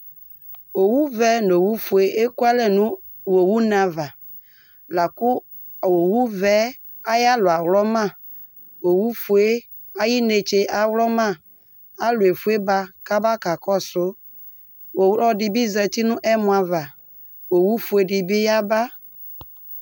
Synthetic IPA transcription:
wo˨wu˦vɛ˨no˨wu˦fu˨e˦ʔe˦ku˦a˦lɛ˨nũ˦ | wo˨wu˦nã˨va˨ | la˨ku˦˨ | wo˨wu˦vɛ˦ | a˦ja˦lo˨a˨wlɔ˦mã˦˨ | wo˨wu˦fu˨e˦ | a˦ji˦ne˨t͡ʃe˨ʔa˨wlɔ˦mã˦˨ | a˦lʊ˨e˨fu˦e˦ba˦ka˦ba˦ka˨kɔ˦sʊ˦ | wo˨wlɔ˦ɖi˨bi˦zɛ˨t̪i˦nũ˦ʔɛ˦mũ˨a˨va˨ | wo˨wu˦fu˨e˨ɖi˨bi˦ja˦ba˦

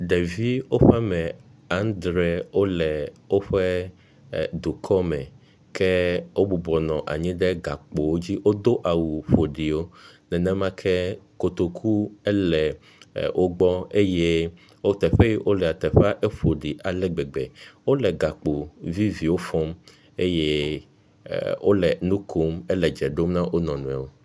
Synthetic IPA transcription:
ɖɛ˨vi˦wo˦ɸɛ˦mɛ̃˨a˦nd̪ɾɛ˦wo˦lɛ˨wo˦ɸɛ˦ | d̪u˨kʰɔ˦mɛ̃˨ | kʰɛ˦wo˦bu˨bɔ˨nɔ̃˨ʔa̰˨ɲĩ˦ɖɛ˦ɡa˨k͡po˨wo˦d͡ʑi˦wo˦d̪o˦ʔa˨wu˨ɸo˨ɖi˨wo˦nɛ̃˨nɛ̃˦mã˦kʰɛ˦ko˨t̪o˨kʰu˦ɛ˦lɛ˨ | wʔo˦ɡ͡bɔ˦e˦je˦ | wo˦t̪ɛ˨ɸɛ˦ji˦wʔo˦lɛ˨a˨t̪ɛ˨ɸɛ˦a˦ʔe˦ɸo˨ɖi˨ʔa˨lɛ˦ɡ͡bɛ˨ɡ͡bɛ̰˨wo˦lɛ˨ɡa˨k͡po˨vi˦vi˨wo˦fɔ˦m | e˦je˦ | wo̰˦lɛ˨nũ˦kʰo˦mɛ˦lɛ˨d͡ʒɛ˨ɖo˦mnã˦ʔo˦nɔ̃˨nũ˨ɛ̃˨wo˦

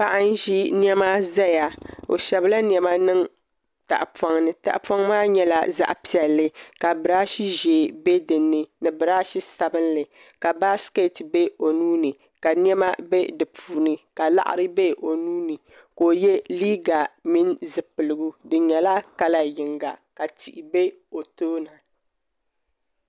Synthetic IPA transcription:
pa˦ʔa˦n˦ʒi˦njɛ˦ma˦za˦ja˨o̰˨ʃɛ˨bla˦n˦˨ɛ˨ma˦nɨ˦ŋ | ta̰˨ʔpa˨ŋnɨ˨ta̰˨ʔpɔ˦ŋ˦maː˦ɲɛ˦la̰˦za̰˦ʔpi˨ɛ˨lːɨ˦ka˨bɨ˨ɾa˦ʃi˦ʒeː˨be˦dɨ˨nːɨ˨nɨ˨bɨ˨ɾaː˦ʃi˦sa˨bɨ˦nlɨ˨ | ka˨ba˦ske˦tbe˦o˨nuː˦nɨ˨ | ka˨n˦ɛ˦ma˦be˦dɨ˨puː˨nɨ˨ka˨la̰˦ʔa̰˨ɾɨ˦be˦ʔo˨nuː˦nɨ˨ | ko˨jɛ˦liː˦ɡa˨mi˦nzɨ˨pɨ˨lɨ˨ɡu˦dɨ˨ɲɛ˨la˦ka˦la˦jɪ˨ŋɡa˨ka˨ti˨ʔi˨be˦ | o˨toː˦na˨

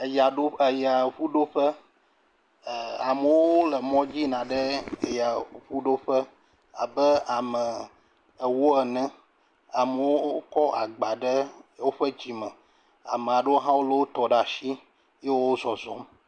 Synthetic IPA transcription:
ja˨ɖo˦ə˨ja˨ɸu˦ɖo˦ɸə˦˨ | a˨mə˨wo˦lə˨mɔ̃˦d͡ʑi˦nã˨ɖə˦˨ja˨ɸu˦ɖo˦ɸə˦ | a̰˨bə˦a˨mə˨ | ə˨wo˦ɛ˨nɛ̃˦ | a˨mə˨wo˦kɔ˦a˨ɡ͡ba˨ɖə˦wo˦ɸə˦d͡ʑi˨mə̃˨ | a̰˨mə˨a˨ɖə˦wo˦ɦã˦wo˦lə˨wo˦t̪ɔ˨ɖa˨ʃi˦ | je˦wo˦wo˦zɔ˨zɔ˨˦m

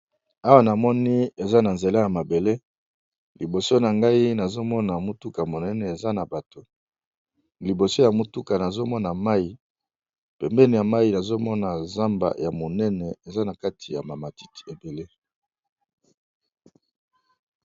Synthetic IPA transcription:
a˦wa˦na˨mɔ˦ni˦e˨za˦na˨nze˨la˦ja˨ma˨be˨le˦ | li˨bo˨so˦na˨ŋɡa˦i˦na˨zo˦mɔ˦na˨mu˦tu˦ka˨mo˨nɛ˦nɛ˨e˨za˦na˨ba˨to˨ | li˨bo˨so˦ja˨mu˨tu˦ka˨na˨zo˦mɔ˦na˨ma˦i˨ | pɛ˨mbɛ˦ni˨ja˨ma˦ji˨na˨zo˦mɔ˦na˨za˦mba̰˨ja˨mo˨nɛ˦nɛ˨e˨za˦na˨ka˦tʰi˨ja̰˨ma˨ma˨ti̥˦ti̥˨e˨be˨le˦

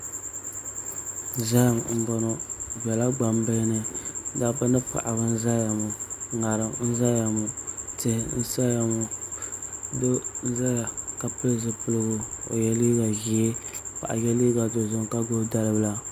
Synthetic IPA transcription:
za˦˨mm̩˦bɔ˨nɔ˦bɛ˨la˦ɡ͡ba˨mbɨ˦nɨ˦da˦bɨ˦nɨ˦pa̰˨ʔa˨bɨ˦n̩˦za˦ja˨mʊ˨ŋa˨ɾɨ˨mn̩˦za˦ja˨mʊ˨tɪ˦hɪ˦n̩˦sa˦ja˨mo˨ | do˦za˦ja˨ka˨pɨ˦lzɨ˨pɨ˦lɨ˦ɡʊ˨o̰˨jɛ˨li˦ɡa˨ɣi˨˦e˦pa̰˨ʔa̰˨jɛ˦li˦ɡa˨do˨zʊ˦ŋ˦ka˦ɡo˦da˦lɨ˦bla˦

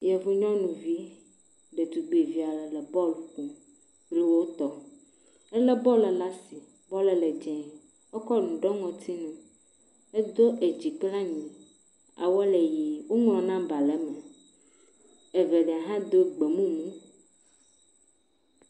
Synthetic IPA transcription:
jɛ˨vu˦ɲɔ̃˦nũ˨vi˦ | ɖe˨t̪u˨ɡ͡be˨vi˦a˨lɛ˨lɛ˨bɔ˦lu˨kũ˨ | ɾi˦wo˦t̪ɔ˦ | ɛ˦lɛ˦bɔ˦lɛ˨la˦si˨ | bɔ˦lɛ˨lɛ˨d͡ʒɛ̃˨ | wo˦kɔ˦nũ˨ɖɔ˦ŋɔ̃˨t̪ʰi˦nũ˨ | e˦d̪o˦ʔe˨d͡ʑi˨k͡pla˦ɲĩ˨ | a̰˨wɔ˦le˨ji˨wo˦ŋlɔ̃˨nã˦ba˨lɛ˦mɛ˨ | e˨vɛ˨ɖɛ˨a˨ɦã˦d̪o˦ɡ͡be˨mũ˦mũ˦

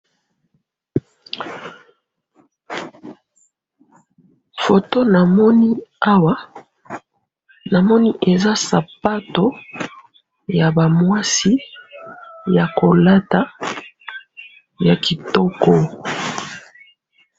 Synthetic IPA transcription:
fo˨to˦na˨mɔ˦ni˦a˦wa˦ | na˨mɔ˦ni˦ʔe˨za˦sa˨pa˦to˦ | ja˨ba˨mwa˦si˦ | ja˨ko˨la˦ta˨˦ | ja˨ki˨tɔ˦kɔ˦

